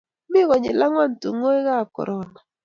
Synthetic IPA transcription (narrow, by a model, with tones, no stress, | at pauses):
mɪ˦ɣɔ˨ɲɪ̰˨la˦ŋwa˦ntu˨ŋo˦ɛ˦ɣa˦˨kɔ̰˨ɾɔ˦na˨